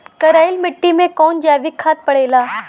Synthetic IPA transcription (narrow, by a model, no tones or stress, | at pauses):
kɐɾaːɪlmɪʈːimẽkɔːnd͡ʒaːʋɪkʰːaːt̪̚pɐɽ̤eːlaː